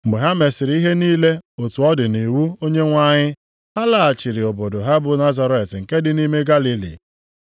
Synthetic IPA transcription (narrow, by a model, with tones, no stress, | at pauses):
m̩˨ɡ͡be˨ɦa˦me˨sɪ˨ɾi˦ɦe˦niː˦le˦o˨tu˨ɔ˦dɪ˨ne˨wu˦o˦ɲe˦ŋʷa˦ɲɪ˦ | ha˦la˨a˨t͡ʃɪ˨ɾɪ˨o˨bo˨do˨ɦa˦bʊ˨na˦za˦ɾe˨tŋ̩˨ke˦dɪ˨ni˦me˦ɡa˦li˦lḭ˨